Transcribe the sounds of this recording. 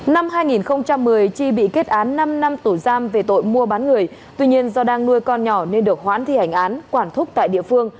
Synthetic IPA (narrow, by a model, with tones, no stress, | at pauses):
na˧mɦaː˧jŋi˨˩nxə˧wŋ͡mt͡ɕa˧mːɨ˨˩əjt͡ɕi˧ɓḭ˧˨ke˦˥t̚ʔaː˨˦nːa˧mna˧mt̪u˧˩zaː˧mve˨˩t̪o̰˧˨jmu˧əɓaː˨˦nŋɨ˨˩əjt̪wi˧ɲi˧ənzɔ˧ɗaː˧ŋnu˧əjkɔ˧nɲɔ˧˩ne˧nɗɨ˨˩ək̚ɦwa̰ː˧˥nt̪ʰi˧˩ha˧˩jŋ̟ʔaː˨˦nkwaː˧˩nt̪ʰʊ˦˥k͡p̚t̪a̰ː˧˨jɗḭ˧˨əfɨ˧əŋ